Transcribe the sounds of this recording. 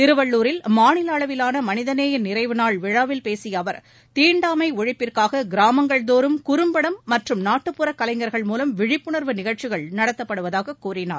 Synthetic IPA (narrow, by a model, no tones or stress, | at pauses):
t̪ɪɾɯʋɐɭːuːɾɪlmaːnɪlɐːɭɐʋɪlaːnɐmɐnɪðɐneːjɪnːɪɾɐɪʋɯnaːɭʋɪɻaːʋɪlpeːsɪjɐːʋɐɾ | t̪iːɳɖaːmɐɪɔɻɪpːɪrkaːɣɐɡɪɾaːmɐŋɡɐɭd̪oːɾɯmkʊɾɯmbɐɽɐmːɐʈrɯmnaːʈːɯpːɯɾɐkːɐlɐɪŋɡɐɾɣɐɭmuːlɐmʋɪɻɪpːɯɳɐɾʋɯnɪɣɐɻt͡ʃɪɣɐɭnɐɽɐt̪ːɐpːɐɽɯʋɐðaːɣɐkːuːrɪnaːɾ